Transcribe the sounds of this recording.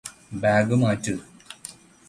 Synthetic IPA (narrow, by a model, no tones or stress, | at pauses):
baːɡɨmaːtːɨ